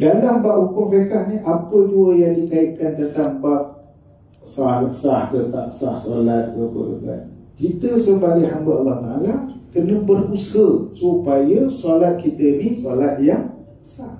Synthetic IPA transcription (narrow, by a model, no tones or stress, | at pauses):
dalambaʔhukʊŋfekahniʔapəduəjaŋdikaiʔ̪̚kant̪ənt̪aŋbaʔ̚ | saləkəsahkət̪a̰ʔəsahsalat̪̚kəkʊ̰fḛka̰nkit̪əsəmbaliɦambaʔalːɔht̪aʔalakənə̃bərushəsupajəsalat̪̚kit̪ənisoalat̪̚jaŋ | ə̥sah